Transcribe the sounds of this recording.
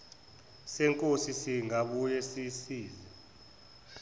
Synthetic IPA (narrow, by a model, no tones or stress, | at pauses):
sɛŋkʼosisiŋaɓujɛsisiːzɛ